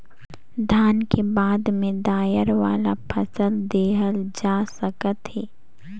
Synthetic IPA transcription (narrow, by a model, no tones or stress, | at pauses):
d̪ʱaːnkebaːd̪mẽd̪aːjəɾʋaːlapʰɐsəld̪eːɦəld͡ʒaːsəkət̪ɦɛː